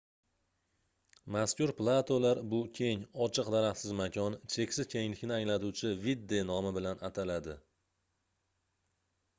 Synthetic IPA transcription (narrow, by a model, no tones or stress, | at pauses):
maskʲʊɾplˠat̪ʰolaɾbʊkʲʰe̞ŋɒt͡ʃʰɨqd̪aɾaχsɪzmakʲʰɒnt͡ʃʰe̞kʲsɪz̥kʲʰe̞ŋɪlɪkʲnɪaŋlat̪uwt͡ʃʰɪvid̪ːe̞nɒmɪbɪlanat̪ʰalad̪ɪ